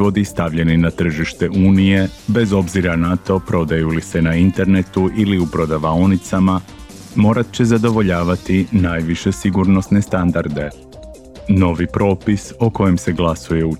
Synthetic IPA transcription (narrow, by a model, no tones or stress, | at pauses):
ʋo̞d̪ist̪aʋʎe̞ninat̪r̩ʒiʃt̪e̞ʔuːnije̞be̞zo̞bziɾanat̪o̞pɾo̞d̪ajulise̞naint̪e̞ɾne̞t̪uʔiliupɾo̞d̪aʋaonit̪sama | mo̞ːɾat̪̚t͡ɕe̞zad̪o̞ʋo̞ʎaːʋat̪inaːjʋiʃe̞siɡuɾno̞sne̞st̪and̪aɾd̪e̞ | no̞ʋipɾo̞ːpisoko̞jemse̞ɡlˠasuje̞u